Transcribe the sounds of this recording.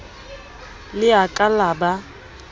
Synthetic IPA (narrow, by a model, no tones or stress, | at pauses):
lɪakʼalaːba